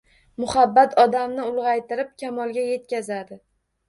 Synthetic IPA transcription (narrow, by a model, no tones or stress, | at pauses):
mʊhabːat̪ʰɒd̪amnɪʊlˠʁɑjt̪ʰɪɾɪp̚kʲʰamɒlˠɡʲaje̞t̪kʲazad̪ɪ